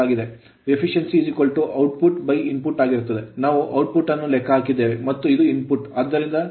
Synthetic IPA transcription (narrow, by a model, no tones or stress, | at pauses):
aːɡid̪e̞ | epʰiʂensid͡ʒikoɭʈuʔɐwʈ̚puʈbɐjinpuʈaːɡiɾut̪ːɐd̪e̞naːʋuʔɐwʈ̚puʈːɐnːulɛkʰːɐɦaːkid̪ːe̞ːʋemɐt̪ːuid̪uinpuʈɐd̪ːɐɾind̪ɐ